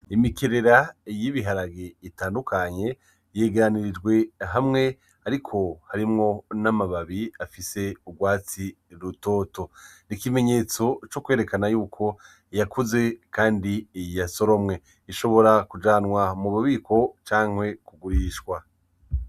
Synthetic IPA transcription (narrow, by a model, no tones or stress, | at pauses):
imikeɾe̞ɾajiβiɦaɾaɡeitaːndukʰaɲe̞ | jeːɡe̞ɾaniɾid͡ʒɡwe̞ɦamŋe̞ | aɾikʰo̞haɾimŋo̞namaβaβiafise̞uɡwaːt͡si | ɾuto̞ːto̞nikime̞ɲe̞t͡so̞t͡ʃo̞kwe̞ːɾe̞kanajuːkʰo̞ | jakuze̞kaːndijaso̞ɾo̞mŋe̞ | iʃo̞βo̞ɾakud͡ʒaːnwamuβaβiːkʰo̞t͡ʃaːŋ̥hwe̞kuɡuɾiːʃkwa